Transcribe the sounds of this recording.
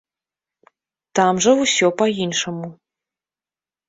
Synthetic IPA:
t̪amʐɐwsʲɔpɐinʂɐmu

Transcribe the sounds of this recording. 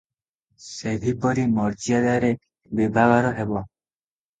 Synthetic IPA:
seb̪ʱipɔɾimɔɾt͡ʃiad̪aɾe | bibʱaɡɔɾɔɦebɔ

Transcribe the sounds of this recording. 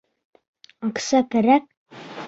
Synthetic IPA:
ɑqsɑkæɾæk̚

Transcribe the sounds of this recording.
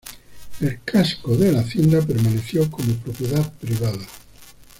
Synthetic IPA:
elkʰaskoðelaθjend̪ap̬eɾmaneθjokomopɾopjeðaðpɾiβ̞aða

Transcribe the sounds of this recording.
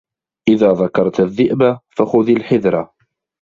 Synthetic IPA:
ʔɪðaːðˤɑkɑɾˤt̪aðːɪʔbafaxʊðilħɪðɾˤɑ̰

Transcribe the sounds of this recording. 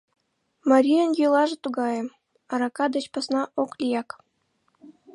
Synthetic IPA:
mɑɾʲijənjølˠɑʒɤ̆t̪uɣɑjĕm | ɑɾɑkɑd̪ə̆t͡ɕpɑsnɑʔoklʲijɑk

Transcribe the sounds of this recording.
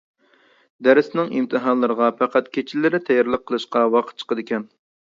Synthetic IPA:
d̪æɾɪsɪnɪŋimt̪ʰɨɦɑnlˠəɾəʁɑpʰæqʰæt̪kʲʰet͡ʃʰɪlːɪɾɪt̪ʰɛjɑɾlˠəqʰːəlˠɨʃqɑwɑqʰə̥t̪̚t͡ʃʰə̥qʰəd̪ɪkʲɛn

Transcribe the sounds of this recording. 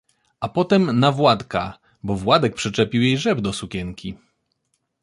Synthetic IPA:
ʔapɔt̪ɛmnavwat̪ka | bɔvwad̪ɛk̚pʂɛt͡ʂɛpʲiwjejʐɛbd̪ɔsukʲɛŋkʲi

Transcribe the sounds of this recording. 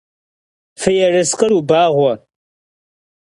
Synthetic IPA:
fɨjɛrɨsqʼəɾubaːʁʷɔ

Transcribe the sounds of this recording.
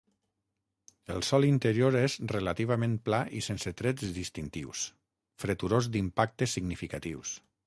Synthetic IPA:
əlˠsɔlint̪əɾioɾezrelat̪iβ̞amẽnplaʔisenset̪ɾɛzd̪ist̪int̪iws | fɾet̪uɾozd̪impak̚t̪əsiɡnifikat̪iws

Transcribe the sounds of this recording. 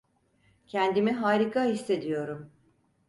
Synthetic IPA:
cʰɛnd̪imiɦaːɾikʰahisːe̞d̪ijo̞ɾum

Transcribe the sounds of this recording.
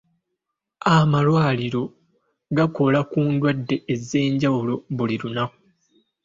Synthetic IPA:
amalwaːliɾo̞ | ɡako̞lakuːndwadːe̞eze̞ːɲɟawulo̞βuliɾunaku

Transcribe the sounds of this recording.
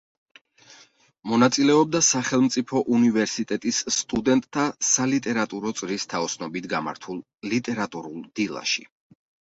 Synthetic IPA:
mɔnat̪sʼilɛɔb̚d̪asaχɛlˠmt̪sʼipʰɔʔunivɛɾsit̪ʼɛt̪ʼisːt̪ʼud̪ɛnt̪ʼt̪ʰːasalit̪ʼɛɾat̪ʼuɾɔt̪sʼɾist̪ʰaɔsnɔbit̪ʰɡama̰ɾt̪ʰulˠ | lit̪ʼɛɾat̪ʼuɾulˠd̪̥ilˠa̰ʃi

